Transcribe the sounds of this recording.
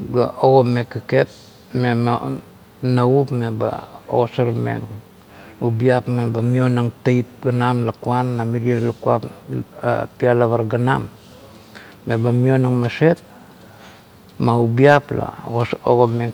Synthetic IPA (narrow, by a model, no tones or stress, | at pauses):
ɡa̰oɡome̞kːeke̞p̚ | mem | naupme̞ba̰o̰osaɾmḛŋ | ubiapmebamio̞naŋtejt̚ɡanamlakuanːamiɾialukua̰p | pialaβaɾɡanam | e̞bamio̞naŋmase̞t̚ | maubiapla̰o̰ɡome